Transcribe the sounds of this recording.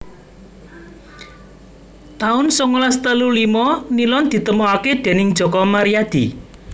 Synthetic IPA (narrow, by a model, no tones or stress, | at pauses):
t̪aʊnsɔŋolast̪əlulimɔnilɔnd̪̥i̤t̪əmoaked̪̥e̤nɪŋd̥ʒ̥ɔ̤kɔmaɾijad̪̥i̤